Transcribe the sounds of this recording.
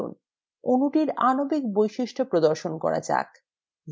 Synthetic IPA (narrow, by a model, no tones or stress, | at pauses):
ṵn | onuʈiɾanobikbojʃiʃʈʰopɾod̪oɾʃonkɔ̰ɾa̰t͡ɕa̰k